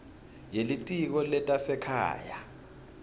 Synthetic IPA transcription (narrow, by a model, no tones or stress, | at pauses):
jelitʼik̬ɔlɛtʼasɛkʰa̰ːja̰